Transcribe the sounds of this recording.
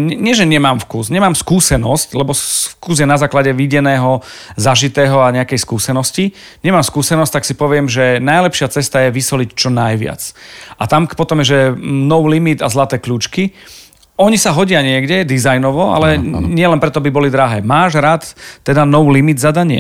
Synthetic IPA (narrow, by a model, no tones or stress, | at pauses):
ɲɛɲɪɛʒɛɲɛmaːmfkuːsɲɛmaːmskuːsɛnɔsclɛbɔfkuːzjɛnazaːklaɟɛʋiɟɛnɛːɦɔ | zaʒit̪ɛːɦɔaɲɛakɛjskuːsɛnɔsci | ɲɛmaːmskuːsɛnɔstt̪aksipɔʋɪɛmʒɛnajlɛpʃɪat͡sɛst̪ajɛʋisɔlict͡ʃɔnajʋɪa̰t͡sʔat̪ampɔt̪ɔmɛʒɛnɔʋulimid̪a̰zlat̪ɛːkʎuːt͡ʃki | ɔɲisaɦɔɟɪaɲɪɛɡɟɛd̪izajnɔʋɔa̰lɛɲɪɛlɛnpɾɛt̪ɔabibɔlid̪ɾaɦɛːmaːʒɾaːt̪ːɛd̪anɔʋuːlimid̪zad̪aɲɪɛ̰